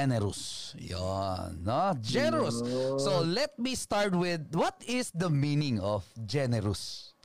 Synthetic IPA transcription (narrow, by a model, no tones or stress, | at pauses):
ɛnɛɾʊsjɔ̰nːod͡ʒɛnɛɹʊsːolɛt̪̚mist̪ɑɹt̪wɪd̪̚wɔt̪ɪsd̪ɐmĩnɪ̃ŋɔfd͡ʒɛnɛɾʊs